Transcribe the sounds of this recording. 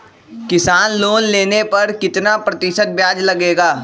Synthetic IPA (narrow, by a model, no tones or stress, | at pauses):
kɪsaːnloːnleːnepɐɾkɪt̪napɾɐt̪ɪʃət̪̚bjaːd͡ʒlɐɡeːɡaː